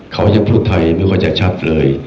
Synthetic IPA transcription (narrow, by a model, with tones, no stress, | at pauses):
kʰa˦˥wja˧ŋpʰuː˥˩t̪ʰːa˧jmi˦˥˨kʰaː˧˩jt͡ɕa˨˩t͡ɕʰa˦˥t̪̚lɤː˧j